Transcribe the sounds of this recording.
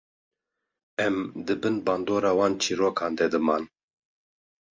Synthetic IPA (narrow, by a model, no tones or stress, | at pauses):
ɛmd̪ɨbɨnbɑːnd̪oːɾɑːwɑːnt͡ʃʰiɾoːkʰɑːnd̪ɛd̪ɨmɑːn